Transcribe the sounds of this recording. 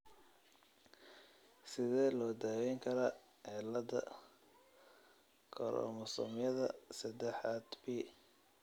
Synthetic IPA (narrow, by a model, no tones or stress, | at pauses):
sɪðɛːlɔːd̪aːwɛːŋkʰɐɾɐ | ʕɛlɐd̪ɐ̰ | kʰɔɾʔɔ̰mɔsɔ̰mjɐðɐ̰sɐd̪ɛħaːd̪biː